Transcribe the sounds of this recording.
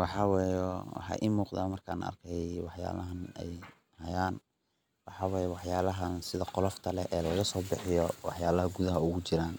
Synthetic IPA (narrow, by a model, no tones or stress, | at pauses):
wɑħɑːwɛːjɛwɑ̰ħɑ̰ʔimuːqðaːmɐrkʰa̰ːnɐ̰rkʰɛwɑħja̰ːlɐɦɐnɛ̰j | hɐjaːn | wɑħɑːwɑːjɛwɑħjaːlɐɦɐnsɪðɐqɔlɔft̪ʰɐlɛʔɛːlɐɣɐsɔːbɪħɪjɔwɑħjaːlɐɦɐɡuðɐɦɐʊɣʊt͡ʃɪɾaːn